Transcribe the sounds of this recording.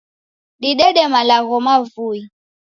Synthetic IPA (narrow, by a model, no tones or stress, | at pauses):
ɗiɗɛɗɛmalaɣɔmavui